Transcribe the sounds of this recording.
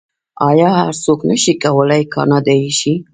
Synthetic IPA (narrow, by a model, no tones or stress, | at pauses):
ɑjɑha̰ɾsoknəʃikawəlajkʰɑ̰nɑd̪ɑjʃi